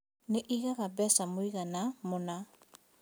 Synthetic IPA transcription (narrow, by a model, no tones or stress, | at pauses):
neʔiɣaɣabɛsamoiɣanamona